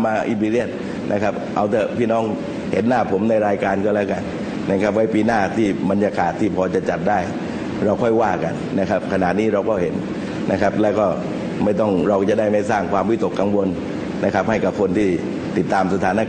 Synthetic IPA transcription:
maː˧ʔi˧biː˧li˥˩ət̪̚ | nʔa˦˥kʰa˦˥p̚ʔa˧wt̪ɛ˧˩pʰiː˥˩nɔː˦˥˩ŋ | he˨˩˦nːaː˥˩pʰo˩˦mna˧jɾaː˧jkaː˧nkɔː˥˩lɛː˦˥˩ka˧n | na˥˩kʰa˦˥p̚wa˦˥jpiː˧naː˥˩t̪ʰiː˥˩ba˧njaː˧kaː˨˩t̪ʰːiː˥˩pʰɔː˧t͡ɕa˨˩t͡ɕa˨˩t̪̚daː˥˩j | ɾa˧wkʰɔ˥˩jwaː˥˩ka̰˧nːa˦˥kʰa˦˥p̚kʰa˧na˨˩t̪̚niː˦˥ɾa˧wkɔː˥˩he˩˦nː | a˦˥kʰa˦˥p̚lɛː˦˥wkɔː˥˩ | ma˥˩jt̪ɔ˥˩ŋɾa˧wt͡ɕa˨˩da˥˩jma˥˩jsaː˥˩ŋkʰwaː˧mwi˦˥t̪o˨˩kːa˧ŋwo˧n | na˦˥kʰa˦˥p̚ha˥˩jka˨˩p̚kʰo˧nt̪ʰiː˥˩ | t̪i˨˩t̪ːaː˧msa˧t̪ʰaː˨˦˥na˧

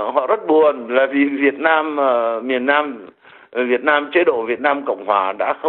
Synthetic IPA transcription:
hɔ̰˧˨zə˦˥t̚ɓu˨˩ənlaː˨˩vi˨˩vi˨˩ət̚naː˧mː˨˩mi˨˩ənːaː˧m | vi˨˩ət̚naː˧mt͡ɕe˧˦ɗo̰˧˨vi˨˩ət̚naː˧mkə̰˧˨wŋ͡mɦwaː˨˩ɗa̰ː˧˥xə˧

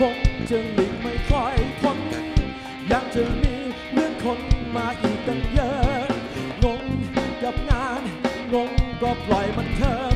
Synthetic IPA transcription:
o˧˥ŋt͡ɕɤː˧˩ŋli˨˩˦ŋma˧˩jkʰɔ˧˩jk̪ʰo˧˥n˧˦ | jaː˨˩ŋt͡ɕəː˧˩miː˧ | lɯ˥˧˩əŋt̪ʰo˧nmaː˧ʔiː˨˩k̚t̪ɛ˧njəː˧˦ | ŋo˧˥ŋka˨˩p̚ŋaː˧˥n | ŋo˧˥ŋkɔː˧˩plɔ˨˩jma˧˩nt̪ʰəː˧

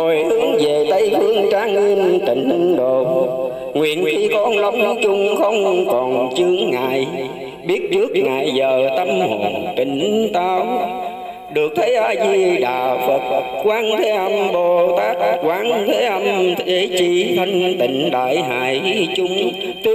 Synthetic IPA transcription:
ho˨˩jhɨ˨˦əŋve˨˩t̪ə˧˦jhɨ˨˧˦əŋt͡ɕaː˨˦ŋi˧ənt̪ï˨˩ŋ̟ɗo˧˨ | ŋwḭ˧˨ənxi˧kɔ˧nlə˨˧˦wŋ͡mt͡ɕʊ˧ŋ͡mxə˧wŋ͡mkɔ˨˩nt͡ɕɨ˨˦əŋːa̰ː˧˨j | ɓi˦˥ət̚t͡ɕɨ˦˥ək̚ŋa̰ː˧˨jzəː˨˩t̪ə˧mho˨˩nt̪ï˨˩ŋ̟t̪aː˧w | ɗɨ˨˩ək̚t̪ʰə˨˦jʔaː˧jzi˧ɗa̰ː˨˩fə˨˩t̚ə˨˩t̚kwaː˨˦˥ŋt̪ʰe˨˦ʔə˧mɓo˧˩t̪aː˦˥k̚kwaː˨˦nt̪ʰe˨˦ʔə˧mt̪ʰe˨˦t͡ɕi˧t̪ʰə˧ŋt̪ḭ̈˨˩ŋ̟ɗa̰ː˧˨jɦa̰ː˧˨jt͡ɕʊ˧ŋ͡m | t

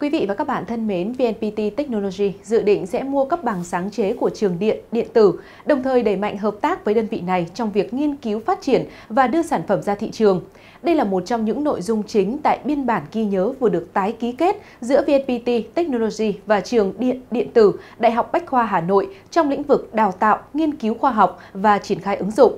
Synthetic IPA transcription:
kwi˨˦vḭ˧˨vaː˨˩kaː˦˥k̚ɓa̰ː˧˨nt̪ʰə˧nme˨˦nvi˧ɛ˧npi˧t̪i˧t̪ɛ˦˥k̚no˧lo˧zi˧zɨ̰˧˨ɗḭ̈˧˨ŋ̟sɛ̰˧˥mu˧əkə˦˥p̚ɓa˨˩ŋsaː˨˦ŋt͡ɕe˨˦ku˧˩ət͡ɕɨ˨˩əŋɗḭ˧˨ənɗḭ˧˨ənt̪ɨ˧˩ | ɗə˨˩wŋ͡mt̪ʰəː˨˩jɗə˧˩jma̰˧˨jŋ̟ɦəː˨˩p̚t̪aː˦˥k̚vəː˨˦jɗəː˧nvḭ˧˨na˨˩jt͡ɕɔ˧wŋ͡mvi˨˩ək̚ŋi˧ənki˨˦wfaː˦˥t̚t͡ɕi˧˩ən | vaː˨˩ɗɨ˧əsaː˧˩nfə˧˩mzaː˧t̪ʰḭ˧˨t͡ɕɨ˨˩əŋ | ɗə˧jlaː˨˩mo˨˩t̚t͡ɕɔ˧wŋ͡mɲɨ̰˧˥ŋno̰˧˨jzʊ˧ŋ͡mt͡ɕï˨˦ŋ̟t̪a̰ː˧˨jɓi˧ənɓaː˧˩nɣi˧ɲəː˨˦vɨ˨˩ɗɨ˨˩ək̚t̪aː˨˦jki˨˦ke˦˥t̚ | zɨ̰˧˥əvi˧ɛ˧npi˧t̪i˧t̪ɛ˦˥k̚no˧lo˧zi˧vaː˨˩t͡ɕɨ˨˩əŋ˧ɗḭ˧˨ənt̪ɨ˧˩ɗa̰ː˧˨jɦɔ˨˩wk͡p̚ɓa˦˥jk̟̚xwaː˧ɦaː˧˩no̰˧˨jt͡ɕɔ˧wŋ͡mlḭ̈˧˥ŋ̟vɨ˨˩k̚ɗaː˨˩wt̪a̰ː˧˨wŋi˧ənki˨˦wxwaː˧ɦɔ˨˩wk͡p̚vaː˨˩t͡ɕi˧˩ənxaː˧jʔɨ˨˦ŋzʊ̰˧˨ŋ͡m

